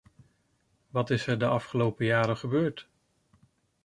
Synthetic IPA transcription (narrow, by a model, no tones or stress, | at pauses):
ʋɑtɪsɛɹdəɑfχəlowpəjaːɾəχəbøːɹt